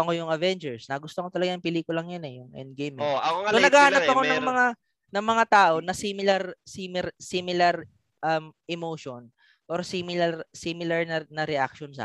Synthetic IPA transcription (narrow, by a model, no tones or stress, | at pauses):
ɐkojʊŋɐvɛnd͡ʒɛɹsnɐɡʊst̪okot̪ɐlɐɡaɐŋpɪliːkʊlɐŋjɐnɛjʊŋʔɛ̰nd̪̚ɡejmɪonɐɡaːhanɐpɐko̞nɐŋmɐŋa | nɐŋmɐŋat̪aːʔo̞nɐsimɪlɐɾsimɪɾsimɪlɐɾ | ʔɐmʔɛmoːʃon | ʔoɾsiːmɪlɐɾsiːmɪlɐɹnɐnɐɾɛʔa̰k̚ʃonsa̰ː